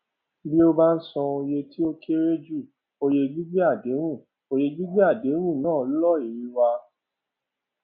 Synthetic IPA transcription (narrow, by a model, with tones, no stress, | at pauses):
bi˦o˧ba˦n̩˦sɔ̃˧o˧je˧ti˦o˦ke˦ɾe˦d͡ʒu˦˨ | o˧je˧d͡ʒi˦bi˦a˦˨de˨˦ɾ̃ũ˦˨ | o˧je˧d͡ʒi˦ɡ͡bi˦a˦˨de˨˦ɾ̃ũ˦˨nãː˦˨˦lɔ˦˨i˨ɾi˨˧wa˧